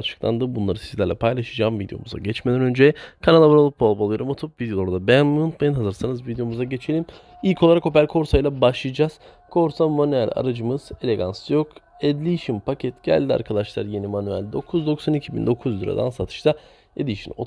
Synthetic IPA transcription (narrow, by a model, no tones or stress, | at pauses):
t͡ʃʰɯ̥klˠa̰nd̪ɯbunlˠaɾɯsi̥zlʲæɾlʲɛ̰pʰajlˠaʃɯd͡ʒaːmvid̪ejo̞̰muza̰ɟɛt͡ʃmed̪ʲɛnø̞nd͡ʒejɛkʰanalˠabaɾalˠup̚bolˠblˠjɾɯmot̪ʰup̚vid̪ijo̞oɾd̪abɛnmuunt̪majɯnɦazɯɾsanɯzvid̪ejo̞muzaɟet͡ʃʰelʲim | ilʲcʰo̞lˠaɾako̞p̬æɾʲkʰo̞ɾsajlˠabaʃlˠɯjd͡ʒaz̥ | kʰo̞ɾsamanyɛlʲa̰ɾad͡ʒɯmɯz̥e̞lʲe̞ɡansɯjok | ɛd̪lʲiʃimpʰacʰɛt̪ɟ̥æ̰lʲd̪ia̰ɾkʰad̪aʃlˠa̰ɾje̞nimanyæ̰lʲd̪o̞kʰuzd̪o̞ksanicʰibḭnd̪o̞kʰuzd̪yɾa̰d̪a̰nsat̪ʰɯ̥ʃt̪ʰa | ed̪ʲiʃḭno̰